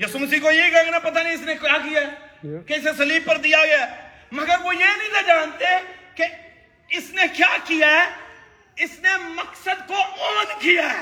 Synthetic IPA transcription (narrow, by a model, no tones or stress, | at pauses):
jʊsuməs̬iːkojeɡãɡnapɐt̪̬anĩɪsnekjaːkijaɛkeɪsesɐliːb̚pəɾd̪ijaɡaɛː | mɐɡəɾʋoːjenĩːnãd͡ʒaːnt̪eke | ɪsnekjaːkijaɛ | ɪsnemɐksəd̪koɔːnkijaɛ